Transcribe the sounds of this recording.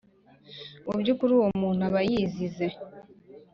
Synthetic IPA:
ubɟukuɾuwomuːn̥uaβajizize̞

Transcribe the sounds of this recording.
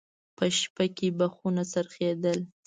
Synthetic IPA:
pəʃpakebaxunasaɾxed̪əl

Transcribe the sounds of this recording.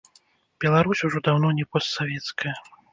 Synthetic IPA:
b̥ʲɛlˠaɾusʲuʐɔd̪awnɔnʲɛpɔst̪savʲɛt̪skʰɐjɐ

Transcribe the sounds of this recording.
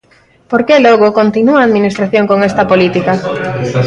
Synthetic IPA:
poɾkelɔɣokont̪inuaːðminist̪ɾaθjoŋkoŋest̪ɐpolit̪ikɐ

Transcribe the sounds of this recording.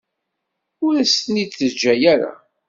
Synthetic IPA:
ʊɾæsniθəd͡ʒːæjæɾa̰

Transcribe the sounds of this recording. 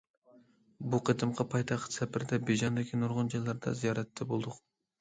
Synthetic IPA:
buqʰət̪ɨmqʰɑpʰɑjt̪ʰɑχsɛpʰɪɾd̪ɛbed͡ʒɑnd̪ɪkʲʰinuɾʁʊnd͡ʒɑjlˠɑɾd̪ɑ̰zijɑɾɛt̪ʰːɛbolˠd̪ʊq

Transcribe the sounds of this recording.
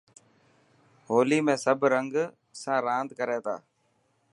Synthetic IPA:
ɦoːliːmẽːsəbʱɾəŋɡ | sãːɾãːnd̪kəɾẽːt̪ʰa̰ː

